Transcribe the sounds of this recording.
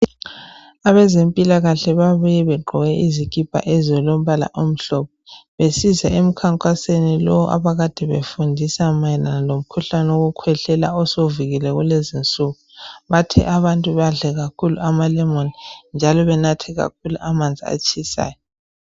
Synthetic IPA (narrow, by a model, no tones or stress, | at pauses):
aβɛzempʼilaɣaɬɛβaβujɛβɛɡ͡ǃʱɔɣɛʔizikʼipʰʼa̰ʔɛzɔlom̩βala̰ʔom̩ɬɔp̚ʰɔβesizaem̩kʰaŋkʼasenilɔwʔa̰βaɣad̥ʱɛβefundʱisamajɛnanalom̩kʰuɬanɛoɣukʰwɛɬɛlaɔsoviɣilɛɣulezint͡sʼuɣuβatʰɛ̰ʔaβantʼuβaɮɛɣakʰulṵʔamalɛmonind͡ʒʱalɔβɛnatʰɛɣa̰k̚ʰuluʔamand͡zʱḭa̰t͡ʃʼʰisa̰ːjɔ